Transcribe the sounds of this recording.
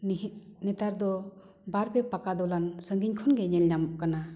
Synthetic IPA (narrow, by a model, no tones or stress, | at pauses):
net̪aɾd̪ɔ | baɾpepakad̪ɔlansɯŋɡiɲkʰɔnɡeɲelɲamkana